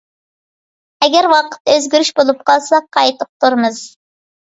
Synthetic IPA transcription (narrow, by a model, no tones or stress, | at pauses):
ɛɡʲɛɾwɑqə̥t̪ːøzɡʲyɾyʃbolˠup̚qʰɑlˠsɑqʰɑjt̪ʊq̚t̪ʰuɾmɨz̥